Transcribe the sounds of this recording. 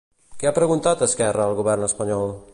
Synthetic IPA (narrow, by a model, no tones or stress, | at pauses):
kɛapɾəɣunt̪at̪əskɛrəːlˠɣuβɛrnəspəɲɔlˠ